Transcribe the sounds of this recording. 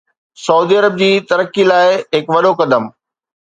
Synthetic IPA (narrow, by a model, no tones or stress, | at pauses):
sɐuːd̪iɐɾəb̚d͡ʑiːt̪ɐɾəkːilaːɪɦɪkʋɐɗokɐd̪əm